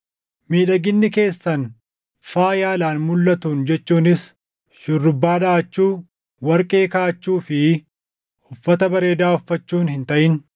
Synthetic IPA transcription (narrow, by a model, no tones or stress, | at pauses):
miːᶑɐɡɪnːɪke̞ːsːɐn | faːjaːlaːnmʊlːɐt̪uːnd͡ʒɛt͡ʃːuːnɪs | ʃɪrːʊbːaːdɐʔɐt͡ʃːuː | wɐɾkʼe̞ːkaːɐt͡ʃːuːfɪ | ʊfːɐt̪ɐbɐɾe̞ːd̪aːʊfːɐt͡ʃːuːnhɪnt̪ɐʔɪn